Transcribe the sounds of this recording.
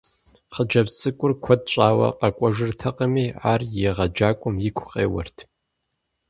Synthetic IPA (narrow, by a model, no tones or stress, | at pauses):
χəd͡ʒɐpsʼɨkʷʼʊrkʷʰɔd̚t͡ʃʼaːwɐ̰qɐkʷʼɔʒɨrtʰɐqɐmiːaːrjeʁɐd͡ʒaːkʷʼʊmjɪkʷʰʼʊqḛːwɐ̰rtʰ